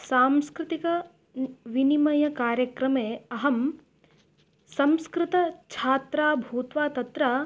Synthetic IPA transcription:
saːmskɾɪt̪ikɐ | ʋinimɐjɐkaːɾjɐkɾɐmeːɐɦɐm | sɐ̃mskɾɪt̪ɐt͡ʃʰaːt̪ɾaːbʱuːt̪ʋaːt̪ɐt̪ɾaː

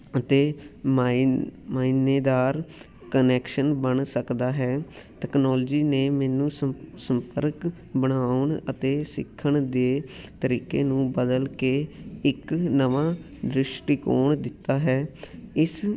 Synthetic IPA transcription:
ət̪eː | maːineːd̪aːɾ | kənɛːkʃənbəɳsəkd̪aːɦɛː | t̪ɛːknɔːlːd͡ʒiːneːmɛːnũːsəmpəɾk | bəɽaːʊɳə̰t̪eːsɪ̰kʰːəɳd̪eːt̪əɾiːkeːnũːbəd̪əlkeːɪknəʋãː | d̪ɾɪʃʈiːkoːɳd̪ɪt̪ːaːɦɛːɪs

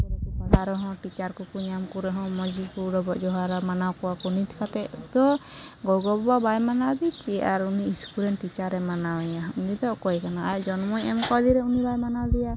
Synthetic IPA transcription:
bɔlaɾɔɦɔ̃ʈit͡ʃaɾkukuɲamkuɾɔɦɔ̃mɔd͡ʒikuɾɔbɔʔd͡ʒɔɦaɾamanawkɔwakɔnit̪ʰi̥kat̪ɛʔd̪ɔɡɔɡɔbbabajmanad̪it͡ʃiaɾuniːskuɾɛnːit͡ʃaɾɛmanawɛjaunid̪ɔkɔjkanaajd͡ʒɔnɔmɔjɛmkɔd̪iɾɛunibajmanad̪ɛja

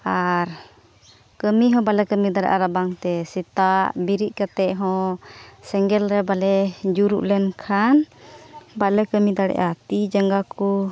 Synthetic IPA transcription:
aɾ | kəmiɦɔ̃balɛkəmid̪aɽɛ̰ʔa̰ɾabaŋt̪ɛsit̪aʔbiɾiʔkat̪ɛʔɦɔ̃sɛŋɡɛlɾɛbalɛd͡ʒuɾuʔlɛnkʰan | balɛkəmid̪aɽɛ̰ʔat̪id͡ʒəŋɡaku

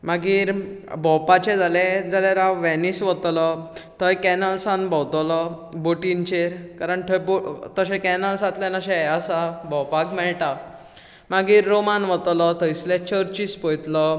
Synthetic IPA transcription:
maɡiːɾ | bɔwpat͡ɕɛ̃d͡zaled͡zalaɾaʋʋɛnisʋət̪lɔt̪əjkɛnəlsãnbɔwt̪lɔ | boʈint͡ɕeɾkaɾəɳʈʰəjbot̪əɕɛ̃kɛnəlsat̪lenaɕɛ̃asabɔwpakmɛɭʈa | maɡiːɾːomanʋət̪lɔt̪əislẽt͡ɕəɾt͡ɕispəjt̪lɔ

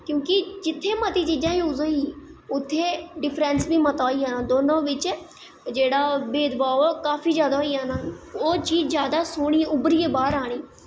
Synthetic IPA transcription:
kjõːkɪd͡ʒɪt̪ʰːeːmət̪iːt͡ʃiːd͡ʒãːiʊzõiːʊt̪ʰːeːɖɪpʰɾɛːnsbiːmət̪aːiːaːnaːd̪oːnõːʋɪt͡ʃ | d͡ʒeːɽaːbeːd̪baːokaːfʰiːd͡ʒjaːd̪aːɦoiːaːnaːoːt͡ʃiːd͡ʒzjaːd̪aːsoːɽ̃iːʊbɾiːeːbaːɾaːɽ̃iː

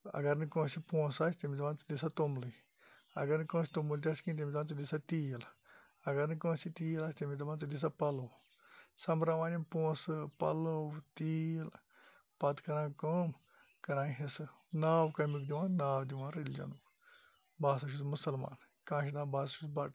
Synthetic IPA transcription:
ɐ̰ɡɐɾnikõːsipõːsaːsʲt̪imizɐbaːnt͡sɨd̪isat̪omlɨ | ɐ̰ɡɐɾnkõːsi̥t̪umult̪̬ʲaskĩt̪emʲizant͡sɐd̪isat̪iːl | ɐɡɐɾnikõːsit̪iːlaːsʲt̪imizɐbãːnt͡sɨd̪is̬apɐlow | sɐmɾaʋaːnimpõːsɨpɐ̰lowt̪iːl | pɐt̪kɐɾãːkoːm | kɐɾãːɦesɨ | naːwkɐmikd̪iʋãːnaːwd̪iʋãːɾelʲid͡ʒɐ̰nuk | baːs̬ɐʃ̬usmusɐlma̰ːn | kãːʃid̪ãːbaːs̬ɐʃusbɐʈ

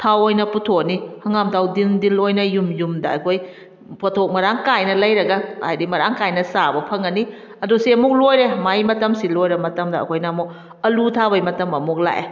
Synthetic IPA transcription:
tʰawojnɐputʰoknihɐŋamtʰawdindilojnɐjumjumdɐɐ̰jkʰoj | pʰotʰok̚mɐɾaŋkajnɐlɐjɾɐɡɐhajdimɐɾaŋkajnɐsabɐpʰɐŋɐni | ɐdusiɐmuk̚lojɾemajmɐtɐmsilojɾɐmɐtɐmdɐ̰ːkʰojnɐmuk̚ | ɐlutʰaβɐjmɐtɐmɐmuk̚la̰ʔḛ

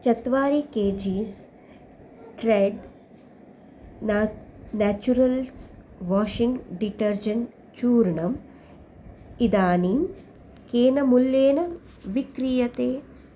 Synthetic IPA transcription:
t͡ʃɐt̪ʋaːɾikeːd͡ʒiːs | ʈɾeɖ | naːt͡ʃuɾɐls | ʋaːʃiŋɡɖiʈɐɾd͡ʒɐɳ | t͡ʃuːɾɳɐm | id̪aːniːm | keːnɐmuljeːnɐ | ʋikɾijɐt̪eː

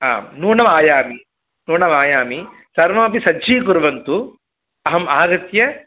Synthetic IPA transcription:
ɦa̰ːnuːɳɐmaːjaːmi | nuːɳɐmaːjaːmi | sɐɾʋɐmɐpisɐːd͡ʒiːkuɾʋɐnt̪u | ɐɦɐmaːɡɐt̪jɐ

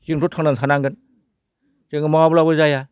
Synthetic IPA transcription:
ziŋtʰutʰaŋnansʰanaŋɡɯn | zɯŋɯmaabulabɯzaja

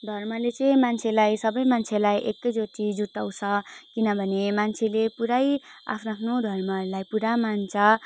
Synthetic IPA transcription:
d̪ʱʌrmʌlet͡sʌĩmant͡sʰelajsʌbʌjmant͡sʰelajʔekːʌjd͡zot̪id͡zut̪aw̃t͡sʰʌkinʌbʱʌnemant͡sʰelepuɾaja̰pʰnoapʰnod̪ʱʌrmʌulajpuɾamant͡sʰʌ

